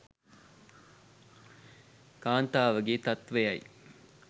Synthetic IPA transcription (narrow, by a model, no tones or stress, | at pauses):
kaːnt̪aːʋɐɡeːt̪ɐt̪ʋejɐj̰